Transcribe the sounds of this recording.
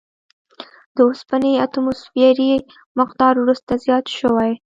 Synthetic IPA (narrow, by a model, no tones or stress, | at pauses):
d̪̥əospaniat̪umusfaɾi | mɪqd̪ɑɾwɾust̪azjɑt̪ʃəwaj